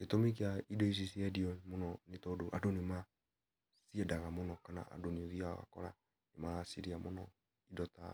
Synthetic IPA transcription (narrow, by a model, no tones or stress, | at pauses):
ketɔmikiaidɛis̬isiɛdiɔmonɔnitɔdoʔadonima | siɛdaɣamonɔkana̰a̰doniðia̰wa̰kɔ̰ɾa̰ | nimalasiɾiamonɔ | idɔta̰